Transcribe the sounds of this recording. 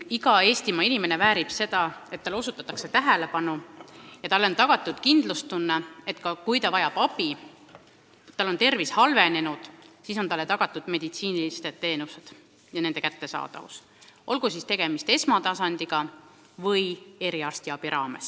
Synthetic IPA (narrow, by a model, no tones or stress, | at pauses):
iɡɑe̞ːst̪imɑinime̞ne̞væːɾib̥se̞d̪ɑe̞t̪ːɑlo̞sut̪ːˑɑt̪ːˑɑkse̞t̪æɦæle̞pɑnujɑt̪ɑlːo̞nt̪ɑɡ̥ɑt̪ːˑud̪̥kind̪̥lust̪unːee̞t̪ːˑkɑkujt̪ɑvɑjɑb̥ɑb̥i | t̪ːɑlo̞nt̪e̞rvishɑlve̞ne̞nud̪̥siso̞nt̪ɑlːet̪ɑɡ̥ɑt̪ːˑud̪̥me̞d̪it̪siːnilist̪et̪t̪ːe̞ːnused̪̥ | jɑne̞nd̪e̞kæt̪ːe̞sɑ̰ːd̪̥ɑ̰vṵs | ʔo̞lɡ̥usist̪e̞ɡ̥e̞mist̪e̞smɑt̪ɑsɑnd̪iɡ̥ɑ | vɯje̞ɾiɑrst̪iɑb̥iɾʔɑːme̞s